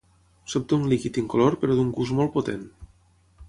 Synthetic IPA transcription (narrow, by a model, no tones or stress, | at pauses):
sop̚d̪unlikit̪iŋkoloɾpeɾoðuŋɡuzmolˠpot̪en